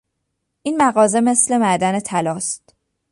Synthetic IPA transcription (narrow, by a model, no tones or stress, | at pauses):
ʔiːnmæɣɒːze̞me̞sle̞mæd̪æne̞t̪ʰælɒːst̪